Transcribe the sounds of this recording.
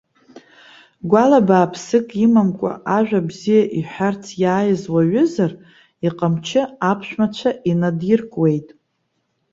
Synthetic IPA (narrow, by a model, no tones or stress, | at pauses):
ɡʷalabaːpʰsɨkʼimamkʷʼa̰ʔaʒᶣabzijaʔiħʷᶣart͡sʰjaːjɪzwaɥʏzar | iqʼamt͡ʃʰɪapʰʃᶣmat͡ʃʷʰaʔinadjɪrkʼwe̞jtʼ